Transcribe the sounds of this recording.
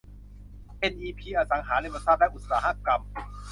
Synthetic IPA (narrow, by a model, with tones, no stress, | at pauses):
ʔe˧nʔiː˧pʰiː˧ʔaː˧sa˩˦ŋɦaː˩˦le˧˩ba˧t̪̚saː˦˥˩p̪̚lɛ˦˥ʔu˨˩t̪̚saː˩˦ɦaː˦˥˩p̚ka˧m